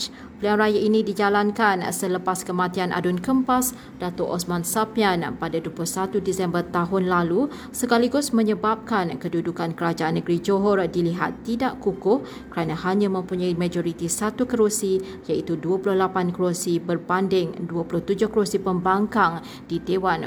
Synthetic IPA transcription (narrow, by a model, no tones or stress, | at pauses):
pəlianrajaʔinĩdid͡ʒalankansələpaskəmãt̪ianʔa̰dʊnkəmpas | d̥at̪ʊʔɔsmansapianpadaduəpulʊhsat̪udisɛmbərt̪aɦʊnlalu | səkaliɡʊsmə̃ɲəbap̚kankədudukankəɾad͡ʒaanːəɡɾid͡ʒoɦɔrdiliɦat̪ːidaʔkukʊh | kəɾanãhaɲãmə̃mpuɲaimãd͡ʒoɾit̪isat̪ukəɾusi | jait̪uduəpulʊhlapankəɾosibərpandɪŋduəpulʊht̪ud͡ʒʊhkəɾosipəmbaŋkaŋ | didewan